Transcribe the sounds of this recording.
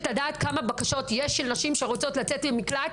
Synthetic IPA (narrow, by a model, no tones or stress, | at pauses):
tad̪aːt̪kamabakaʃo̞t̪jeʃʃːelnaʃimʃe̞ʁot͡so̞tlat͡setbemikla